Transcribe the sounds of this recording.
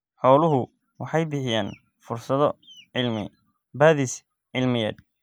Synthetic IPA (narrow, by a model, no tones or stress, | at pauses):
ħɔːlʊɦʊ | wʔɑħɑjbɪħɪjaːn | fʊrsɐðɔɪlmɪ̰ | baːðɪs | ʕɪlmɪja̰ːd̪̚